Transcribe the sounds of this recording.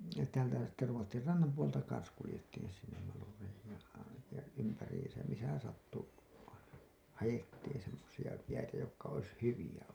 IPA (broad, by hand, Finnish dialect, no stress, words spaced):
jɑ sitːehæn tæːlæ sitːe ruotːir rɑnːɑm puoltɑ kɑns kulĭjetːiːn sinːem mɑlureihij jɑ ɑiʋɑn̞ jɑ ympæriːsæm misæ sɑtːu ɑinɑ hɑjetːiːn semːosiɑ jæitæ jokːɑ ois hyʋiæ